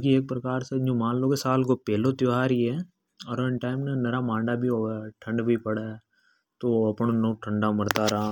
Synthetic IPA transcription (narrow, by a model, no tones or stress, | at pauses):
okieːk̚pɾɐkaːɾsed͡ʒõmãːnloːɡesaːlkopɛːlot̪joɦaːɾiɦɛ | ɔɾoɪnʈaːɪmnenɐɾamãːɳɖabʱiɦoːaʈʰɐ̃ɳɖbʱipɐɽa | t̪oɐpɳonoːʈʰɐ̃ɳɖamɐɾt̪aɾɐɦa